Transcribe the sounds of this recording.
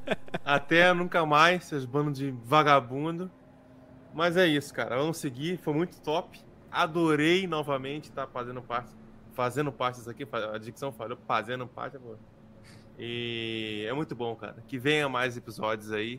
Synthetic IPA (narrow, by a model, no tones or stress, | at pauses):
at̪ɛnũkɐmajsezbɐ̃nd̪ʊd͡ʒɪvaɡabũd̪ʊ | mɐzɛisʊ̥kaɾʔɐvɐ̃mʊsɪɡifojmũj̃t̪ʊ̥t̪ɔpɪ̥ | ad̪oɾejnɔvɐmẽnt͡ʃɪ̥t̪afazẽnd̪ʊpaɾt͡ʃɪ | fazẽnd̪ʊpaɾt͡ʃɪs̬akifad͡ʒiksɐ̃w̃falofazẽnd̪ʊ̃pa̰ɾt͡ʃabo | ɪ | ɛmũj̃t̪ʊbõw̃ka̰ɾɐkɪvẽj̃ɐmajzepizɔd͡ʒʊzai